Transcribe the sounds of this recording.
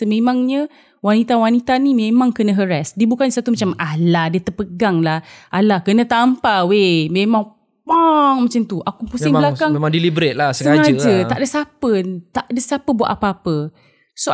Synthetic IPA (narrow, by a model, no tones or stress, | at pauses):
səmemaŋɲə | wanit̪awanit̪animemãŋkənəɦəɾɛsdiəbukansat̪umat͡ʃamalahdiət̪ərpəɡaŋlahʔalahkənət̪ampawememaŋ | waŋmat͡ʃant̪uʔakupusɪŋəlakaŋemaŋdilibɾɪt̪̚lasəsəaŋad͡ʒd͡ʒət̪aʔdəsapət̪aʔdəsapəbuwa̰ʔapaapə | so